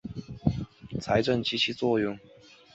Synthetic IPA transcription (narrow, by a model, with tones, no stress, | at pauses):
t͡sʰa˧˥ɪʈ͡ʂə˥˩ŋt͡ɕʰi˧˥t͡ɕʰi˧˥t͡swɔ˥˧jʊ˥˩ŋ